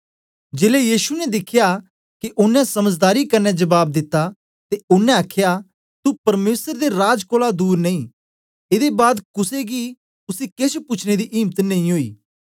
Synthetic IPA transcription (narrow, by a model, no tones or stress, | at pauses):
d͡ʒeːlejiːʃunɛd̪ɪkʰːja | kiʔʊnːɛ̃sɐməd͡ʒd̪aːɾikɐɾnːɛd͡ʒɐbaːb̚d̪ɪt̪ːa | t̪eʊnːɛ̃ɐkʰja | t̪upɐɾmeːsəɾd̪eɾaːd͡ʒkoːlad̪uːɾnɐĩː | ed̪ebaːd̪kʊseɡi | ʊsiket͡ʃʰpʊt͡ʃʰned̪iʔiːmt̪nɐĩɦoːḭː